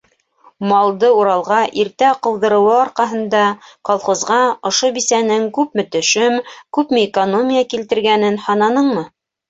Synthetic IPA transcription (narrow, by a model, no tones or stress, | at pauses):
mɑlˠd̪ɤuɾɑlˠʁɑʔiɾt̪æqɤ̆wðɤ̆ɾɤ̆wɤɑɾqɑɦɤ̆nd̪ɑqɑlˠχŏzʁɑŏʃobisænɘŋkʉpmɘ̆t̪ɵ̆ʃɘmkʉpmɘːkonomʲijakilt̪ɘ̆ɾɡænɘnhɑnɑnɤɴmɤ